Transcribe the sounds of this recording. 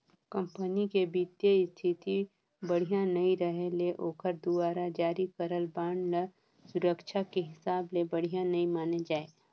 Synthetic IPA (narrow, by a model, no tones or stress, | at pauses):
kə̃mpənikebiːt̪jəɪst̪ʰɪt̪i | bəɽ̤ijãnɐĩɾəɦeleʔoːkʰəɾd̪uaːɾad͡ʒaːɾikəɾəlbaːɳlə | sʊɾəkʃʰakeɦɪsaːblebɐɽ̤ijãnɐĩmaːned͡ʒaːeː